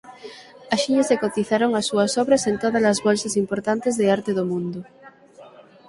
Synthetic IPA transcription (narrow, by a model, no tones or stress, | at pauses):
aʃiʎasekot̪iθaɾoŋasːuɐsoβɾasent̪oðazlazβolsasimpoɾt̪ant̪ezðeaɾt̪eðomũnd̪ʊ